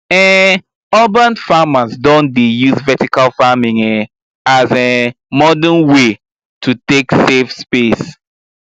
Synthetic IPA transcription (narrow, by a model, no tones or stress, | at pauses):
ɛ | ɔbãnfamasdõndejuzvɛtikalfamĩŋɛ | azɛ | mɔdə̃nwe | tʰuteksefspes